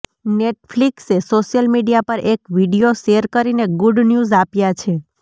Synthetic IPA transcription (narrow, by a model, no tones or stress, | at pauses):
neʈfliksesoʃjəlmiɖijapəɾʔekʋiɖijoʃeəɾkəɾineɡuɖnjuzapjat͡ʃʰe